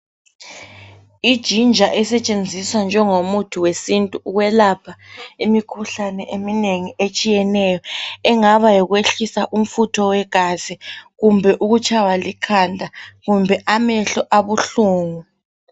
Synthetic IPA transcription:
id̥ʒ̥ʱind͡ʒʱaʔɛsɛt͡ʃʼend͡zʱiswand͡ʒʱɛŋomutʰuwesintʼuːɣwɛlapʰaimikʰuɬanɛʔemineŋiet͡ʃʼijɛnɛjɔɛŋaβajɔɣweɬisaʔum̩futʰɔwɛɡ̥ʱaziɣumbʱɛʔuɣut͡ʃʰʼawalikʰandʱaɣumbʱɛʔamɛɬɔʔaβuɬuːŋu

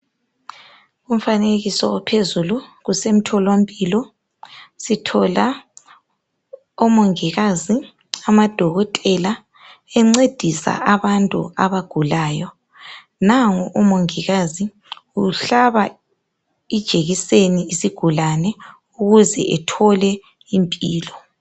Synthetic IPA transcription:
um̩faneɣisɔ̰ɔpʰezuluɣusem̩tʰɔlom̩pʼilɔ | sitʰɔla | umoŋiɣazi | amad̥ʱɔɣɔtʼɛla | ɛŋ͡ǀed̥ʱisa̰ʔaβantʼṵaβaɡ̥ʱulaːjɔ | naŋɔʔumoŋiɣazi | uɬaβa | id̥ʒ̥ʱeɣiseniisiɡ̥ʱulanɛ | uɣuzɛ̰ʔɛtʰɔlɛ | impʼiːlɔ

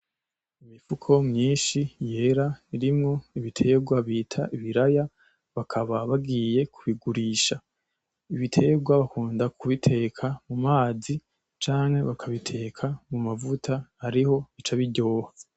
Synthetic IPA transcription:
imifukʰo̞mɲiːnʃije̞ɾaiɾimŋo̞iβitʰe̞ɡwaβiːtʰa̰ʔiβiɾaja | βakʰaβaβaɡiːje̞kʰuβiɡuɾiːʃa | iβitʰe̞ɡwaβakuːndakʰuβitʰe̞kʰamumaːzi | t͡ʃaːŋhe̞βakʰaβitʰe̞kʰamumavutʰahaɾiho̞it͡ʃaβiɟo̞ːhḁ

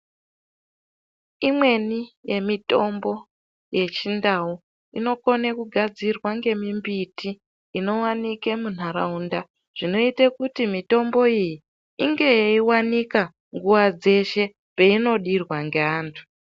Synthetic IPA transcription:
imwe̞nije̞mito̞mbo̞ | je̞t͡ʃindau | ino̞ko̞nekuɡʱad͡zirwaŋɡe̞mimbitiː | no̞wanikemun̤aɾa̰unda | ʐ̥ino̞itekutimito̞mbo̞iji | iŋɡe̞jeiwanika | ŋɡuwad͡ze̞ʃe̞ | peino̞ɗirwaŋɡeaːntʰu̥

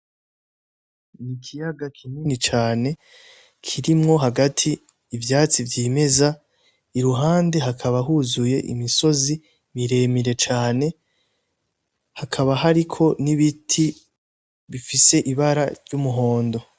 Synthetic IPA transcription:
nikʰijaɡakʰininit͡ʃaːne̞ | kʰiɾimŋo̞ɦaɡatʰiː | vjaːt͡sivjiːme̞za | iɾuɦaːnde̞ɦakʰaβaɦuzuje̞ʔḭmiso̞zi | βiɾe̞miɾe̞t͡ʃaːne̞ | hakʰaβaɦaɾikʰo̞niβitʰi | βifise̞ʔiβaɾaɾɟumuɦo̞ːndo̞

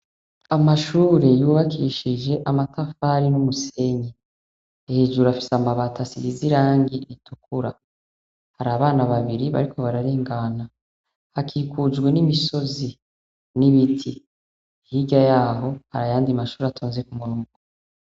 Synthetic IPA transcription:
amaʃuːɾe̞juːβakʰiʃid͡ʒe̞ʔamatʰafaɾinumuse̞ɲe | heːʒuɾafi̥samaβatʰasiɾiziɾaːŋɡiɾitukuɾa | haɾaːβaːnaβaβiɾiβa̰ɾiko̞βaɾaɾeːŋɡana | hakʰiːkʰud͡ʒɡwe̞nimiso̞zi | niβitʰi | hiɟajaːɦo̞ha̰ɾajaːndiamaʃuːɾatʰoːnze̞kumuɾuːŋɡu

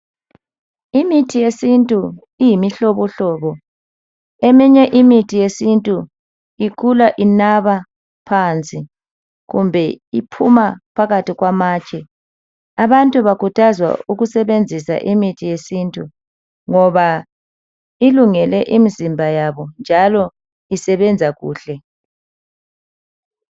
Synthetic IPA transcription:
imitʰijesintʼu | ijimiɬɔβɔɬɔːβɔ | emiɲɛʔimitʰijesintʼu | ikʰulaʔinaβa | pʰant͡sʼi | ɣumbʱɛipʰumapʰaɣatiɣwamaːt͡ʃʼɛ | aβantʼuβakʰutʰazwa̰uɣusɛβend͡zʱisa̰ʔimitʰijesintʼu | ŋɔβa | iluŋɛlɛʔimizimbʱajaβɔnd͡ʒʱalɔ | isɛβɛnd͡zʱaɣṵːɬɛ

